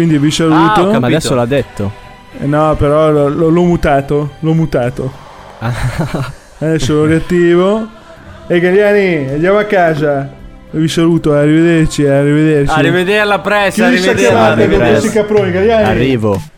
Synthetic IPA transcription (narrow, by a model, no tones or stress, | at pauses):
kwind̪ivisaluːt̪oadɛsolad̪et̪ːo | nɔpeɾɔllɔlɔmut̪aːt̪olɔmut̪aːt̪o | ad̪ɛsːolɔrat̪ːiːvo | eɡaljaːniand̪jaːmoakːaːza | visaluːt̪oarːived̪ert͡ʃiarived̪ert͡ʃaiived̪eɾlapɾɛskiisakjamat̪akoɛsikapːɾoːniɡaljaːnairːiːvo